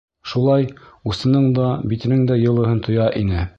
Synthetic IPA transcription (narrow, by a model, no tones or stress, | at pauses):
ʃulˠɑjusɤ̆nɤɴd̪ɑbit̪ɘ̆nɘŋd̪æjɤ̆lˠɤ̆ɦɤnt̪ʰŏjɑʔinɘ